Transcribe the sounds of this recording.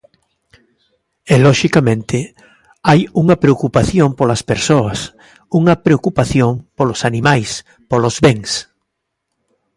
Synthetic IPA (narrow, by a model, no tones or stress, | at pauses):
elɔʃikamẽnt̪ɪ | ajuŋɐpɾeokupaθjompolɐspeɾsoɐs | uŋɐpɾeokupaθjoŋpolosanimajs | polozβeŋs